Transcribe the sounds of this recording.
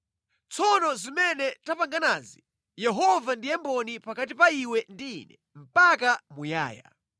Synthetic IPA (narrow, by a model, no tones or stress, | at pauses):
t͡sʰɔnɔzimɛnɛtapaŋɡanazi | jɛɦɔvandijɛmbɔnipakat̬ipaiwɛndḭːnɛ | m̩pak̬amuja̰ːja̰